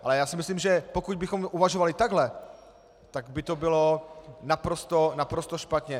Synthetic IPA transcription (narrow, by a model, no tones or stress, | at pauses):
ʔalɛjaːsɪmɪslimʒɛpokuɟ̚bɪxo̞mʔuvaʒovalɪt̪aɡɦlɛ | t̪aɡbɪt̪obɪlo̞napɾo̞st̪onapɾost̪oʃpat̪ɲɛ